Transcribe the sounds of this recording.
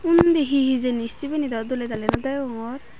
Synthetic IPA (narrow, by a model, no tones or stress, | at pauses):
und̪iɦiɦizenisibenid̪ɔd̪olet̪alenɔd̪ɔjɔŋɔɾ